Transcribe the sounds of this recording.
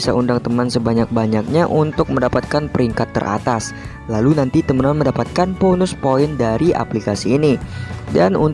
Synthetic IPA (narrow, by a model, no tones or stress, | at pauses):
saundaŋt̪əmansəbaɲak̚baɲak̚ɲaʔunt̪ʊk̚məndapat̪̚kanpəɾiŋkat̪ːə̰rʔa̰t̪as | lalunant̪it̪əmənanməndapat̪̚kanponʊspoɪndaɾiʔa̰plikasiːnidanun